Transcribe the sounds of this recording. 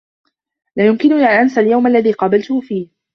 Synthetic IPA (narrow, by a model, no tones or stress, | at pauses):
laːjʊmkɪnʊnaːnʔansaljawmalːaðiːqɑːbalt̪ʊhʊfiːh